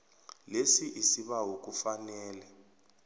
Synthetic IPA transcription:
lesiʔisiɓaɦok̬ʼufanɛːlɛ

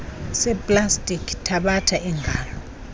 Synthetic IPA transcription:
sɛpʼlastʼikʰtʰaɓatʰaʔɛŋɡʱaːlɔ

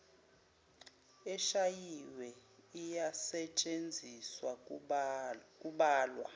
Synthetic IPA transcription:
ɛʃajiwɛijasɛt͡ʃʼend͡zʱiswa | kʼuɓaːlwa̰

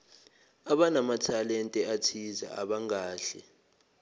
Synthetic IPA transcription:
aɓanamatʰalɛntʼɛatʰiza̰a̰ɓaŋaːɬɛ

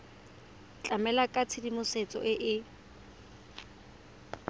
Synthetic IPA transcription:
t͡ɬʼamɛlakʼat͡sʰɪdimʊset͡sʼɔ̰ʔɪʔɪ

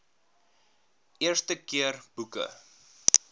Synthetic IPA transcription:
ʔiərstəkiərbukə̰

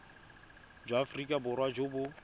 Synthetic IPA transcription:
d͡ʒafrikʼabʊrwad͡ʒobʊ

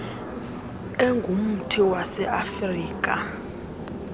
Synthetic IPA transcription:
ɛŋɡʱum̩tʰiwasɛʔafriːk̬ʼa̰

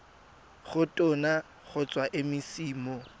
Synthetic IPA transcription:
χʊtʼʊna | χʊt͡sʼwaʔɪmɪsiːmɔ

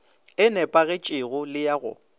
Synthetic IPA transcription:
ɪnɛpʼaɣɪt͡ʃʼɪɣʊlɪjaɣʊ̰

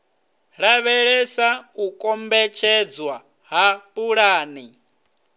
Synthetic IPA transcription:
ɺaβɛɺɛsaukʼɔmbɛt͡ʃʰɛd͡zwa | ɦapʼuɺaːni

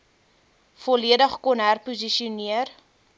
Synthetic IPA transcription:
fɔliədəχkɔnɦærpuziʃiuniər

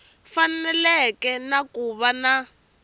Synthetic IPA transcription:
fannɛlɛkɛnakuβana

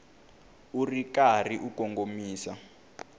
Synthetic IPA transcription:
urikariʔukɔŋɡomiːsa

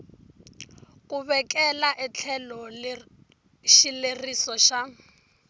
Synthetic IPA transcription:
kuβɛkɛlaʔɛt͡ɬʰɛlɔ | ʃilerisɔʃa

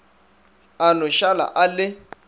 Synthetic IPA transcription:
anɔʃala̰ʔalɪ

